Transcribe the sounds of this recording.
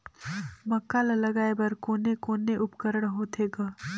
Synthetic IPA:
mɐkːaːlɐlɐɡaːebɐɾkoːnekoːneʔʊpkəɾəɽ̃ɦoːt̪ʰeɡa

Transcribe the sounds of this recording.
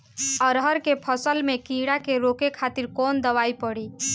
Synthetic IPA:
əɾɦəɾkepʰəsəlmẽkĩɽakeɾoːkekʰaːt̪iɾkɔːnd̪əʋaːipəɽiː

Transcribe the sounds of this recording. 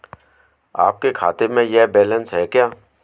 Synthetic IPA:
a̰ːp̚kekʰa̰ːt̪ɪɾmẽjebɛːlə̃nsɦɛːkjaː

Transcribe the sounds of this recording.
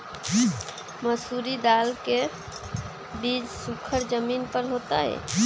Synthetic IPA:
məsuɾid̪alke | bid͡ʒsukʰəɾd͡ʒəminpəɾɦot̪aɦɛ̰

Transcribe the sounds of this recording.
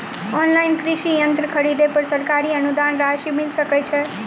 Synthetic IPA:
ɔnlajnkɾiʃijənt̪ɾəkʰəɽid̪epəɾsəɾkaɾiənud̪anɾaʃimilsəkɛt͡ʃʰe

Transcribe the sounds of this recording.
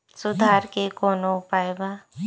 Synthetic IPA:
sʊd̪ʱaːɾkekoːnõpaːjba

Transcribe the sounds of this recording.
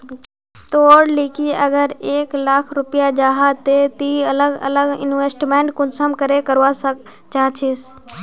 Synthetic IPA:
t̪oːɽliːkiəɡəɾeːklaːkʰɾʊpɪjad͡ʒaːɦat̪et̪iələɡə̰ləɡɪ̰nʋeːsʈmẽːɳʈkʊnsəmkəɾekəɾʋasə | t͡ʃaːt͡ʃʰeːs

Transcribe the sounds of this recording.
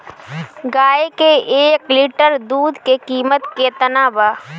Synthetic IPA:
ɡaːekeeːkliʈəɾd̪uːd̪kekiːmət̪ket̪ənaːbaː

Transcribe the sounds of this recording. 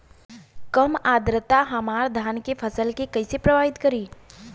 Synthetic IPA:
kɐmaːd̪ɾət̪aɦɐmaːɾd̪ʱaːnkepʰəsəlkekɐisepɾɐʋaːɪt̪kɐɾiː

